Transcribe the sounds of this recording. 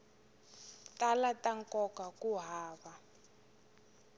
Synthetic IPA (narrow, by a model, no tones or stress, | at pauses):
talataŋkɔkakuɦaːβa